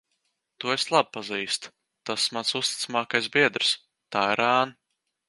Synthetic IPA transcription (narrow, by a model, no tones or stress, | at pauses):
t̪ueslˠab̚paziːst̪ | t̪asmansust̪i̥t̪samaːkajsbiɛd̪ɾs | t̪aːiɾaːn